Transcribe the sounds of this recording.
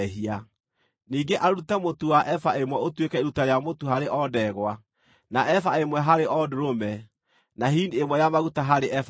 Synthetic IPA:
ɦia | niːŋɡeʔaɾutɛmotowaʔɛfaemwɛotwekɛeɾutaɾjamotohaɾeʔɔdɛɣwa | naɛfaemwɛɦaɾeʔɔdoɾomɛ | naɦiːndemwɛjamaɣutaɦaɾeʔɛf

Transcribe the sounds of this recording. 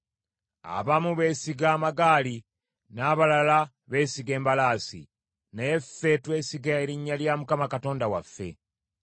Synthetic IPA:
a̰βamuβe̞ːsiɡaːmaɡaːli | naːβalala | βe̞ːsiɡe̞ːmbalaːsḭ | neefːe̞twe̞ːsiɡaeɾiɲːaljamukamakato̞ːndawafːe̞̰

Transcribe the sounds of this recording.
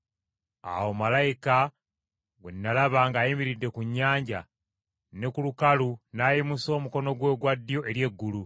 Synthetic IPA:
a̰womalajika | ɡwḛnːalaβaŋɡaːjimiɾidːe̞kuɲːaːɲɟa̰ | ne̞kulukalunajimuso̞ːmuko̞no̞ɡwe̞ːɡwadːijo̞ʔe̞ɾje̞ɡːulu

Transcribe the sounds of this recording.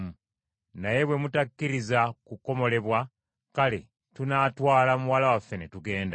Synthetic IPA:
naje̞βwe̞mutakːiɾizakuko̞mo̞le̞βwa | kale̞ | tunaːtwaːlamuwalawafːe̞netuɡe̞ːnda

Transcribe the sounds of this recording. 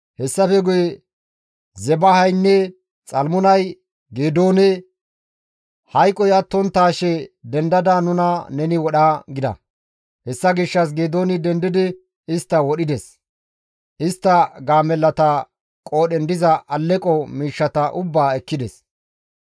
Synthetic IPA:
hɛsːɐfɛɡʊjɛ | zɛbɐhɐjnːɛ | t͡sʼɐlmʊnɐj | ɡeːd̪o̞ːnɛ | hɐjkʼːɔjɐt̪ːɔnt̪ːaːʃɛd̪ɛnd̪ɐd̪anʊnɐnɛnɪwɔɗaɡɪd̪ɐ̰ | hɛsːɐɡɪʃːɐs̬ɡeːd̪o̞ːnɪd̪ɛnd̪ɪd̪ɪ | ɪst̪ːɐwɔɗɪd̪ɛs | ʔɪst̪ːɐɡaːmɛlːɐt̪ɐ | kʼo̞ːɗɛnd̪ɪzɐʔɐlːɛkʼɔmiːʃːɐt̪ɐʔʊbːaːɛkːɪd̪ɛs

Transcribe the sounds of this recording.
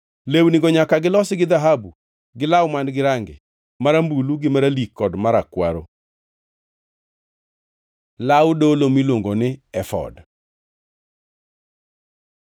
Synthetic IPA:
lewniɡɔɲakaɡɪlɔsɪɡɪd̪aɦabu | ɡɪlawmandɡɪɾaŋɡɪ̰ | maɾambuluɡɪmaɾalikːɔdmaɾakwa̰ɾo | lawdolomilwoŋɡonɪɛfɔ̰d

